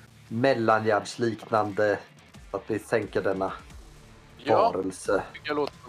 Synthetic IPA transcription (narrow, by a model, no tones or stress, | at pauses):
mɛlːanjæɖʂliːknand̪ə | sat̪vɪsɛŋkəɖɛnːa | vɑːɾəlsəloːt̪